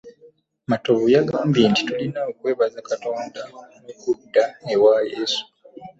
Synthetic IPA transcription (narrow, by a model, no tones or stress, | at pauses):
matoβujaɡaːmbjenti̥tulinaokwe̞ːβazakato̞ːndaomukudanewajesu̥